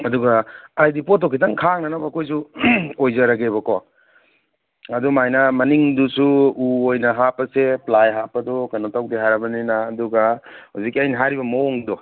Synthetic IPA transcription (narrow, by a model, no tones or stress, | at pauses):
ɐduɡaajdipot̬ːɔkʰitaŋkʰaŋnanabakʰojs̬uojzaɾaɡeβɐkɔ | ɐdumajnɐmɐniŋdusuuojnɐɦapɐseplajɦapɐdɔkanotawdiɦaɾabɐninaːduɡahazikːiajniɦaɾibɐmɐoŋdɔ